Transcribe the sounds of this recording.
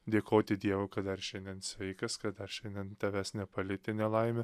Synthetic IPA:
d̪ʲeːkoːt̪ʲɪd̪ʲiɛʋokɐtd̪ɐɾʃʲɛnʲd̪ʲɛnsʲʋʲɛɪkɐskɐt̪d̪ɐɾʃʲɛnd̪ʲɛnt̪ʲɐʋʲæsnʲɛpɐlʲɪt̪ʲɪnʲɛlˠɐɪmʲe

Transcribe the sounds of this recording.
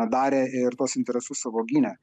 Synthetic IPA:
d̪ɑːɾʲeːɪɾt̪uɔsɪnt̪ɛɾʲɛsʊssɐʋoːɡʲiːnʲɛ

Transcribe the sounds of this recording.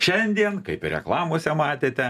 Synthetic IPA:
ʃʲɛnʲd̪ʲiɛnkɐɪpɪɾʲɛ̰klˠɑːmoːsʲɛmɑːt̪ʲeːt̪ʲɛ

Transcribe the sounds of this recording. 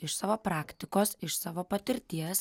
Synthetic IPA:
ɪʃsɑːʋoːpɾɑːkt̪ʲɪkoːsɪʃsɑːʋoːpɐt̪ʲɪɾʲt̪ʲiɛs

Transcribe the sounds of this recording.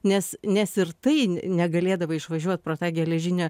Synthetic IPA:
nʲɛsnʲɛsɪɾt̪ɐɪnʲɛɡɐlʲeːd̪ɐʋɐɪʃʋɐʒʲuɔt̪̚pɾoːt̪ɑːɡʲɛlʲɛʒʲɪnʲɛː

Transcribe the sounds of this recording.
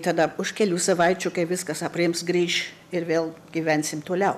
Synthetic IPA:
t̪ɐd̪ɐʊʃkʲɛlʲuːsɐʋɐɪt͡ʃʲʊkɐɪʋʲɪskɐsɐpʲrʲɪmsɡɾʲiːʃ | ɪrʋʲeːlˠɡʲiːʋʲɛnʲsʲɪmt̪oːlʲɛʊ

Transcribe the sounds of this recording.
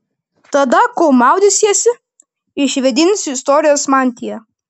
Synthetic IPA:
t̪ɐd̪ɐkoʊmɑˑʊd̪ʲɪsʲɛsʲɪ | ɪʃʲʋʲɛd̪ʲɪnʲsʲɪst̪ɔːɾʲɪjoːsmɑːnʲt̪ʲɪjɛ

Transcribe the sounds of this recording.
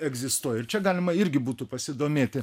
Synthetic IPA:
ɛɡzʲɪst̪uːɔjɛɪɾt͡ʃʲɛɡɑːlʲɪmɐɪɾʲɡʲɪbuːt̪ʊpɐsʲɪd̪oːmʲeːt̪ʲɪ

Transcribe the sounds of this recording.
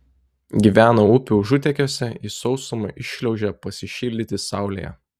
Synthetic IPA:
ɡʲiʋʲæːnɐʊpʲuːʒʊt̪ʲɛkʲoːsʲɛisɔʊsomɐʔɪʃʲlʲɛʊʒʲɛpɐsʲɪʃʲiːlʲd̪ʲɪt̪ʲɪsɑˑʊlʲḛːjɛ̰

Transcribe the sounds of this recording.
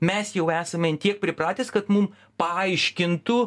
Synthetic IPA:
mʲɛsjɛʊæːsɐmʲɛnt̪ʲiɛk̚pʲɾʲɪpɾɑːt̪ʲɛskɐt̪mum | pɐɐɪʃʲkʲɪnt̪ʊ

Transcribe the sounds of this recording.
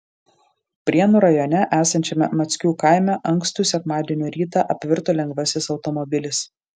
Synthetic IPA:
pʲɾʲiɛnuːɾɐjɔːnʲɛʔæːsɐnʲt͡ʃʲɛmʲɛmɐt̪sʲkʲuːkɐˑɪmʲɛʔɐŋkst̪uːˑsʲɛkmɑːd̪ʲiɛnʲuːɾʲiːt̪ɑːˑʔɐpʲʋʲɪɾt̪oːlʲɛŋɡʋɐsʲɪsɒʊt̪ɔmɔbʲɪlʲɪs

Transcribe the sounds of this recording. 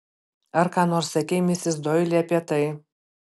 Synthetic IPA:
ɐɾkɑːnoːɾsɐkʲɛɪmʲɪsʲɪsd̪ɔɪlʲiɐpʲiɛt̪ɐɪ

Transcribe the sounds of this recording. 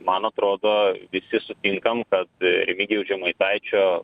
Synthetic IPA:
mɐnɐt̪ɾoːd̪oːʋʲɪsʲɪsʊt̪ʲɪŋkɐmkɐt̪ɾʲɛmʲɪɡʲɛʊʒʲɛmɐɪt̪ɐɪt͡ʃʲoː

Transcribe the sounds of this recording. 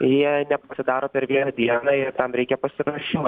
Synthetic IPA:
jiɛnʲɛpɐsʲɪd̪ɑːɾoːpʲɛɾʋʲiɛnɐd̪ʲiɛnɑːɪrt̪ɐmɾʲɛɪkʲɛpɐsʲɪɾɐʃʲɪm

